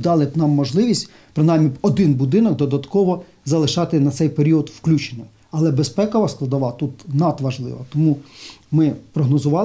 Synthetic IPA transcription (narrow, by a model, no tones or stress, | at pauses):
d̪ɑlˠɪnɑmːɔʒlˠɪʋʲisʲtʲ | pɾɪnɑjmːʲiɔd̪ɪnbud̪ɪnɔɡ̚d̪ɔd̪ɐt̪kɔʋɔ | zɐlˠɪʃɑt̪ɪnɐt̪sɛjpeɾʲiɔd̪wklʲut͡ʃenʲɪj | ɐlˠɛbespɛkɔʋɐsklˠɐd̪ɐʋɑt̪ut̪nɑt̪ʋɐʒlˠɪ̰ʋɐt̪ɔmumɪpɾɔɦnɔzʊʋɑ